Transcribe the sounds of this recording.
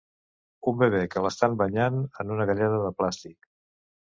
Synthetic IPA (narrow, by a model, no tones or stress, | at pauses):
umbeβ̞ekələst̪ambəɲanənunəɣəʎɛðəðəplast̪ik